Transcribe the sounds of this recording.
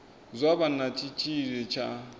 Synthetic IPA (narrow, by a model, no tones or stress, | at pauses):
zʷabanat͡ʃʼʰit͡ʃʼʰiɾɛt͡ʃʰa